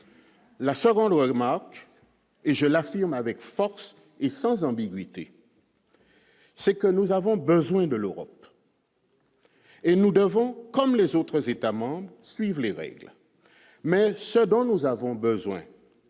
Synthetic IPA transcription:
lasəɡɔ̃d̪ʁəmaʁk | eʒəlafiʁmavɛkfɔʁs | esɑ̃zɑ̃biɡɥit̪ḛ | sɛkənuzavɔ̃bəzwɛ̃d̪əløʁɔp | enud̪əvɔ̃kɔmlezot̪χəzet̪amɑ̃bʁsɥivleʁɛ̰ɡl | mɛsəd̪ɔ̃nuzavɔ̃bəzwɛ̰̃

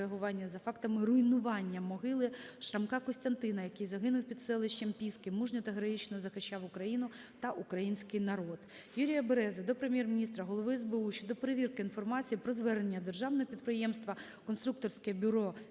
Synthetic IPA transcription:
eɐɦʊʋɑnʲːɐzɐfɑkt̪ɐmɪrʊjnʊʋɑnʲːɐmɔɦɪlˠɪʃɾɐmkɑkɔsʲt̪ɐnt̪ɪnɐjɐkɪjzɐɦɪnʊwpʲid̪sɛlˠɪʃʲt͡ʃɐmpʲiskɪmːuʒnʲɔt̪ɐɦɾɐɦit͡ʃnɔzɐxɪʃt͡ʃːɑwʊkɾɐjinʊt̪ɐʔukɾɐjinʲsʲkɪjnɐɾod̪ | juɾʲijɐbeɾɛzɛd̪ɔpɾemʲjɛrmʲinʲist̪ɾɐɦɔlˠɔʋɪɛzbeuʃʲt͡ʃɔd̪ɔpeɾeʋʲirkɪinfɔrmɑt͡sʲijipɾɔzʋɛrnenʲːɐd̪erʒɑwnɔɦɔpʲid̪̚pɾɪjɛmst̪ʋɐ | kɔnst̪ɾuk̚t̪ɔrsʲkɛbʲʊɾɔ

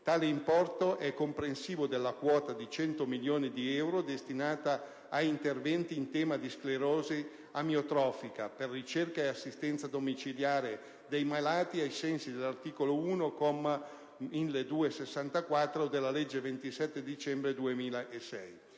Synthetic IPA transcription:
t̪aːleimpɔrt̪oʔɛkːompɾensiːvod̪elːakwɔːt̪ad̪it͡ʃɛnt̪omiljoːnid̪iɛwɾod̪est̪inaːt̪aː | int̪ervɛnt̪iːnt̪ɛːmad̪iskleɾoːzi | amjiot̪ɾɔːfika̰perːit͡ʃerkaeasːist̪ɛnt̪sad̪omit͡ʃiljaːɾe | d̪ejmalaːt̪iajsɛnsid̪elːart̪iːkolouːnokomːa | inled̪uːesesːant̪akwat̪ːɾod̪elːalɛd͡ʒːevent̪isɛt̪ːed̪it͡ʃɛmbɾed̪uemiːlaʔesɛ̰j

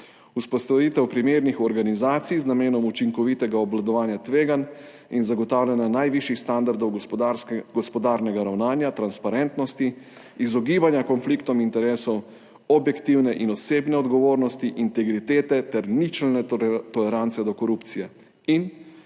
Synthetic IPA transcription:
uspɔst̪aʋiːt̪ɛwpɾimeːɾnixɔɾɡanizaːt̪sijznameːnɔmut͡ʃiŋkɔʋit̪ɛɡaɔblad̪ɔʋaːnjat̪ʋeːɡan | inzaɡɔt̪aːwlʲɛnjanajʋiʃixst̪and̪aɾd̪ɔw | ɡɔspɔd̪aːɾnɛɡaɾawnaːnjat̪ɾanspaɾɛnt̪nɔst̪i | izɔɡiːbanjakɔnflikt̪ɔmint̪ɛɾɛːsɔw | ɔbjɛkt̪iwnɛʔinɔseːbnɛɔd̪ɡɔʋoːɾnɔst̪iʔint̪ɛɡɾit̪eːt̪ɛt̪ɛɾnit͡ʃɛlnɛt̪ɔlɛɾant̪sɛd̪ɔkɔɾupt̪sijɛ | in

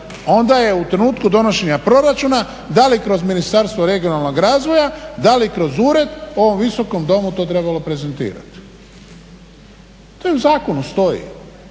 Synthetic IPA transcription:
o̞nd̪aje̞ut̪ɾe̞nuːt̪kud̪o̞no̞ʃe̞ɲapɾo̞ɾat͡ʃuːna | d̪alikɾo̞zminist̪aɾst̪ʋoɾe̞ɡio̞nalˠno̞ɡɾaːzʋojad̪alikɾo̞zuːɾe̞d̪o̞ʋo̞mʋiso̞ko̞md̪o̞mut̪o̞ːt̪ɾe̞balo̞pɾe̞ze̞nt̪ḭːɾa̰t̪i̥ | t̪ojuzaːko̞nust̪o̞jḭ

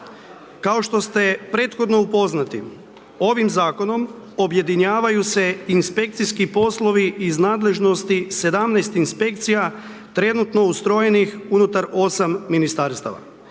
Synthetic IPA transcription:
kao̞ʃt̪o̞st̪e̞pɾe̞ːt̪xo̞d̪no̞upo̞znat̪ḭ | o̞ʋimzaːko̞no̞mo̞bje̞d̪iɲaːʋajuse̞inspe̞kt̪sijskipo̞slˠo̞ʋiːznaːd̪le̞ʒno̞st̪ise̞d̪amnɛjst̪inspe̞k̚t̪sija | t̪ɾe̞nut̪no̞ust̪ɾo̞je̞nixunut̪aɾo̞samːinist̪aɾst̪a̰ʋa̰

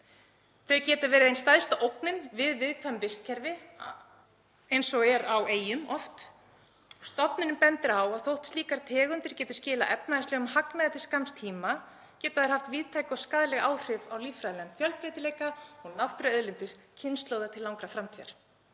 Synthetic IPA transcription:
θeœcɛːt̪avɛːɾɪðejnst̪ajst̪aʔowknɪnvɪðvɪðkʰvœmvɪst̪̚cʰɛɾvɪ | ejnsɔɛɾaweːjʏmɔft̪ | ɔst̪ɔpnɪnɪmpɛnt̪ɪɾawaðθowht̪st̪iːkaɾ̥t̪ʰɛːɣʏnt̪ɪɾ̥cɛːt̪ɪ̥scɪːla̰ʔɛp̚naðɪslɛɣʏmhaknaðɪθɪ̥skamst̪ʰiːma | cɛːt̪aðɪɾhaft̪viːðt̪ʰajkɔskaːðlɛɣaːwr̥ɪvawliːfɾaðlɛnfjœlpɾejt̪ɪleːjkaɔɣnawht̪ʏɾœðlɪnt̪ɪɾ̥cʰɪnst̪lowðat̪ʰɪlawŋkɾafɾamt̪ʰiːa̰ɾ̥

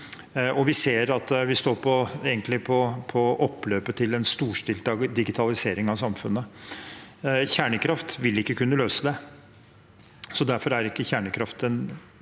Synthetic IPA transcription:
ɔʋɪseːɾɑt̪ʋɪst̪oːɾpʰɔeːɡənt̪lɪpʰɔpʰɔɔpːløːpət̪ʰɪlɛnst̪uːʂʈɪlt̪ɑːɡd̪ɪɡɪt̪ʰɑlɪseːɾɪŋɑʋsɑmfʉnːə | çæːɳəkʰɾɑft̪ʋɪlɪkːəkʉnːəløːsəd̪ɛ | sɔd̪æɾfɔɾæɾɪkːəçæːɳəkʰɾɑft̪ən

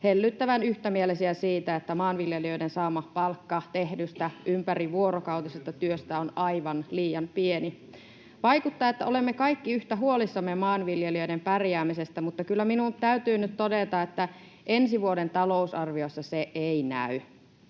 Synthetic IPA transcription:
helːyt̪ːæʋænyht̪æmielesiæsiːt̪æet̪ːæmɑːnʋiljeliø̞idensɑːmːɑpɑlkːɑt̪ehdyst̪æʔympæriʋuoɾokɑwt̪isest̪ɑt̪yøst̪æonɑiʋɑnliːjɑmpieni | ʋɑikut̪ːɑːet̪ːæʔo̞lemːekɑikːiyht̪æɦuolisːɑmːemɑːnʋiljeliø̞idempærjæːmisest̪æmut̪ːɑkylːæminunt̪æyt̪yːnyt̪t̪odet̪ɑet̪ːæ | ʔensiʋuodent̪ɑlo̞usɑrʋiosːɑseʔeinæ̰y

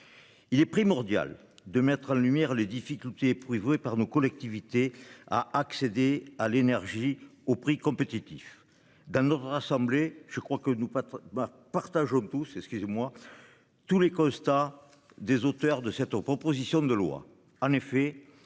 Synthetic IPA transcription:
ilɛpχimɔʁd̪ja̰l | d̪əmɛt̪χɑ̃lymjɛʁled̪ifikʲylt̪epχivepaʁnokɔlɛk̚t̪ivit̪ea̰aksed̪ealenɛʁʒiopχikɔ̃mpet̪it̪if | d̪ɑ̃nɔt̪χasɑ̃bleʒ̥əkχwakənu | paʁt̪aʒɔ̃t̪usɛkskyzemwa | t̪ulekɔ̃st̪a | d̪ezot̪œʁd̪əsɛt̪pχɔpozisjɔ̃d̪əlwa̰ | ɑ̃nefe

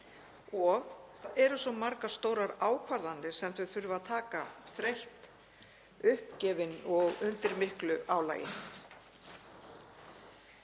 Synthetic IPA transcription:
ɔɣθaðɛɾʏsɔmaɾkḁst̪owɾaɾaːwkʰvaɾðant̪ɪ̥sɛmt̪vʏθʏɾʏvaðt̪ʰaːkaθɾejht̪ | ʏhpcɛːvɪnɔɣʏnt̪ɪɾmɪhklʏʔaːwla̰ːjɪ̰

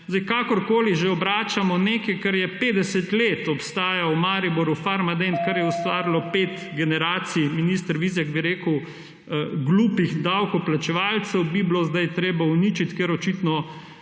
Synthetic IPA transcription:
zd̪ajkaːkɔɾkoːliʒeɔbɾaːt͡ʃamɔneːkɛjkɐɾjɛpeːd̪ɛsɛt̪leːt̪ɔpst̪aːjawmaːɾibɔɾufaɾmad̪ɛnkaɾjɛwst̪ʋaːɾilɔpeːt̪ɡɛnɛɾaːt̪siminist̪əɾʋiːzaɡbiɾeːkəw | ɡluːpiɣd̪awkɔplat͡ʃɛʋalt̪sɛwbiblozd̪ajt̪ɾeːbawnit͡ʃit̪keɾɔt͡ʃit̪nɔ

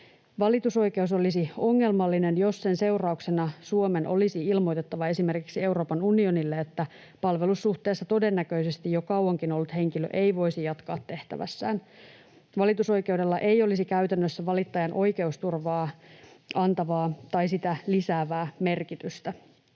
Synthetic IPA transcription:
ʋɑlit̪uso̞jke̞uso̞lisio̞ŋːe̞lmɑlːine̞njo̞sse̞nse̞urɑuksenɑsuome̞nʔo̞̰lisiilmo̞jt̪et̪ːɑʋɑe̞sime̞rkiksie̞wɾo̞ːpɑnunio̞nilːeet̪ːæ | pɑlʋe̞lusːuht̪e̞ːsːɑt̪o̞de̞nːækø̞ise̞st̪ijokɑwɑŋkino̞lːut̪he̞ŋkilø̰ʔe̞ijʋo̞isijɑt̪kɑːt̪ːe̞ht̪æ̰ʋæ̰sːæ̰ːn | ʋɑlit̪uso̞jke̞wde̞lːɑʔe̞jo̞lisikæyt̪ænːøsːæʋɑlit̪ːɑjɑnʔo̞jke̞ust̪urʋɑːʔɑnt̪ɑʋɑːt̪ɑjsit̪ælisæːʋæːme̞rkit̪yst̪æ

